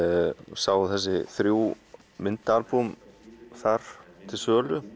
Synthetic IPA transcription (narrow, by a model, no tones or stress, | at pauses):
saːwθɛs̬ːɪθɾjuː | mɪnt̪aɾpumθaɾ̥t̪ʰɪlsœːlʏ